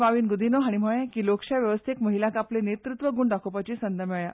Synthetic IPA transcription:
ʋaʋiːnɡud̪ʱinoɦaɽ̃im̤oẽkiːlokɕaʋjəʋəst̪ʰekməɦilãkaplenet̪ɾut̪ʋəɡuːɳɖakʰopat͡ɕiːsənd̪əmeja

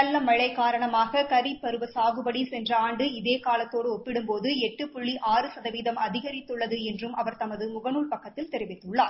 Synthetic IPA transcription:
ɐlːɐmɐɻɐɪkaːɾɐɳɐmaːɣɐkɐɾipːɐɾɯʋɐsaːɣɯbɐɽisɛndrɐaːɳɖɯɪðeːkaːlɐt̪ːoːɽɯɔpːɪɽɯmpoːðɯɛʈːɯpʊɭːiʔaːrɯsɐðɐʋiːðɐmɐðɪɣɐɾɪt̪ːɯɭːɐðɯɛndrɯmʔɐʋɐɾt̪ɐmɐðɯmʊɣɐnuːɭpɐkːɐt̪ːɪlt̪ɛɾɪʋɪt̪ːɯɭːaːɾ

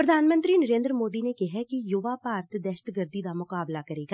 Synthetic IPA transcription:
pɾəd̪ʱaːnmə̃nt̪ɾinəɾẽːnd̪ɾəmoːd̪inekɛɦɛkijʊʋapaːɾt̪ʰd̪ɛʃət̪ɡəɾd̪id̪amʊkaːblakɐɾeːɡa

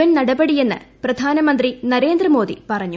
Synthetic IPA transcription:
ɐnnɐɽɐbɐɽije̞nːɨ̰prɐd̪ʱaːnɐmɐnd̪rinɐɾe̞ːnd̪rɐmo̞ːd̪ḭpɐrɐɲːu

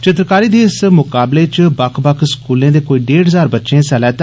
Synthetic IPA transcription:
t͡ʃɪt̪ɾəkaːɾiːd̪eːɪsmʊkaːbleːt͡ʃbəkʰbəkʰskuːlẽːd̪eːkoːiːɖeːɽɦəzaːɾbətːʃẽːsɛːlɛːt̪

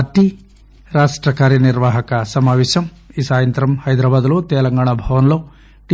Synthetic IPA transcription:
ɐt̪i | ɾaːʂʈɾɐkaːɾjɐniɾʋaːɦɐkɐsɐmaːʋɛːʃɐm | isaːjɐnt̪ɾɐmhɐjd̪ɾaːbaːd̪ɐloːt̪ɛːlɐŋɡaːɳ̃ɐbʱɐʋɐnloː | ʈ

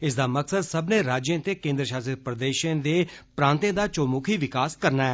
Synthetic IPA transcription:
ɪs̬d̪aːməksəd̪səbnẽːɾaːd͡ʒjẽːt̪eːkẽːnd̪ɾəʃaːsəɾpɾəd̪eːʃẽːd̪eːpɾãːnt̪ẽːd̪aːt͡ʃoːmuːkʰiːʋɪkaːskəɾnaːɛː

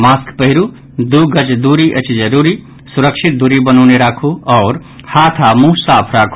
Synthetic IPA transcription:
maːskpəɦiɾu | d̪uɡət͡ʃd̪uɾiʔət͡ʃd͡ʒəɾuɾi | suɾəkʃʰit̪̚d̪uɾibənɔːneɾaːkʰuɔːɾ | hat̪ʰamũsaːpʰɾaːkʰu

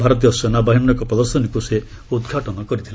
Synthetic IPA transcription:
bʱaɾɔt̪ijɔsɔnabaɦinnɔkɔpɾɔd̪ɔɾsɔnikuse | ud̪ɡʱaʈɔnɔkɔɾit̪ʰila

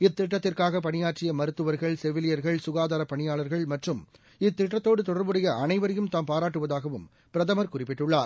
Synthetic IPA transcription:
ɪt̪ːɪʈːɐt̪ːɪrkaːɣɐpɐɳɪjaːʈrɪjɐmɐɾɯt̪ːɯʋɐɾɣɐɭsɛʋɪlɪjɐɾɣɐɭsʊɣaːðaːɾɐpːɐɳɪjaːɭɐɾɣɐɭmɐʈrɯm | ɪt̪ːɪʈːɐt̪ːoːɽɯt̪ɔɽɐɾbɯɽɐjɐɐnɐɪʋɐɾɐjɯmt̪aːmpaːɾaːʈːɯʋɐðaːɣɐʋɯm | pɪɾɐðɐmɐɾkʊrɪpːɪʈːʊɭːaːɾ

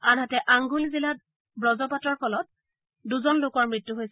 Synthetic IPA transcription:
anɦatɛʔaŋɡulizilat̚ | bɹɔzɔpatɹɔɹpʰɔlɔt̚ | duzɔnlokɔɹmɹitːuɦojs

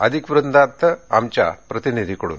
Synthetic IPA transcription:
ɐ̰d̪ʱikʋɾɨnd̪ʱaːt̪ːɐa̰mt͡ɕa̰pɾɐt̪inid̪ʱikɐɽṵn

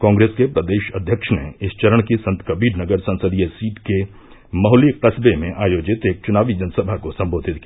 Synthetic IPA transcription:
kãːŋɡɾeːskepɾɐd̪eːʃɐd̪ʱjəkʃnḛɪst͡ʃɐɾəɽ̃kisɐ̃nt̪kɐbiːɾnɐɡəɾsɐ̃nsəd̪ijəsiːʈke | mɐɦliqɐsbemẽʔaːjoːd͡ʒɪt̪eːk̚t͡ʃʊnaːʋid͡ʒɐnsəbʱakosɐ̃mboːd̪ʱɪt̪kː

